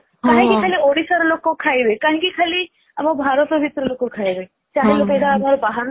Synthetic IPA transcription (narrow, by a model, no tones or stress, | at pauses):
kãɦĩkikʰaːlioɽisaɾlokokʰaiʋekãːɦĩkikʰaːli | ɐmãbʱaːɾət̪obʱit̪ɾəlokokʰaiʋe | t͡ʃaːɦeloped̪abʱaɾobaɦaɾ